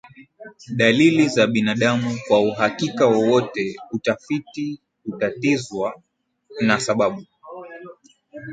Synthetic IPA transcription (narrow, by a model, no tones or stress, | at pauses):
ɗalilizaɓinaɗamukwauɦakikawɔwɔtɛutafiti | utatizwa | nasaɓaɓu